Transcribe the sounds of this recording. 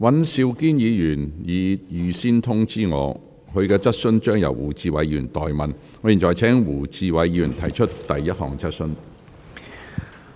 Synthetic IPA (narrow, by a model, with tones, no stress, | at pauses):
wɐ˨˥nsi˧wkiː˥njiː˨˧jyː˨˩njiː˨˧jyː˨˧siː˥nt̪ʰʊ˥ŋt͡siː˥ŋɔ̰ː˨˧ | hɵ˨˧ɥkɛː˧t͡sɐ˥t̚sɵ˥nt͡ʃœː˥ŋjɐ̰˨˩wwuː˨˩t͡siː˧wɐ˨˧jyː˨˩nt̪ɔː˨jmɐ˨n | ɔː˨˧jiː˨˩t͡ʃɔː˨˩jt͡sʰɛː˨˥ŋwuː˨˩t͡siː˧wɐ˨˧jji˧yː˨˩nt̪ʰɐ˨˩jt͡ʃʰɵ˥t̚t̪ɐ˨jːɐ˥t̚hɔ̰ː˨˩ŋt͡sɐ˥t̚sɵ˥n